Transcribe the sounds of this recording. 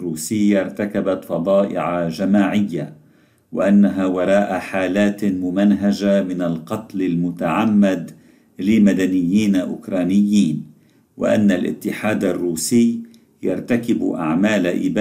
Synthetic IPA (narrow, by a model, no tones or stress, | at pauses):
ruːsɪjːaɾˤt̪akabat̪fɑd̪ˤɑːʔɪ̰ʕaʒamaːʕɪjːa | wɪ̰ʔanːaɦawɑɾˤɑːʔaħaːlaːt̪mʊmanɦaʒamɪnalqɑt̪lɪlmʊt̪aʕamːad̪ | lɪlmad̪anɪjːiːnaʔʊkɾˤaːnɪjːiːn | wɪ̰ʔa̰nːalʔɪ̰t̪ːɪħaːd̪arːuːsɪj | jaɾˤt̪akɪbʔa̰ʕmaːlaʔɪ̰b